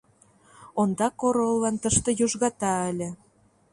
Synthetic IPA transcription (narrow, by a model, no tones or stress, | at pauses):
ond̪ɑkoɾolːɑnt̪əʃt̪ɤ̆joʒɣɑt̪ɑə̆lʲĕ